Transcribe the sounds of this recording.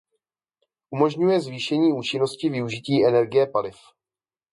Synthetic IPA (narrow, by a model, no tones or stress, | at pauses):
ʔumo̞ʒɲujɛzviːʃɛɲiːuːt͡ʃɪno̞scɪvɪuʒɪciːʔɛnɛɾɡɪjɛpalɪf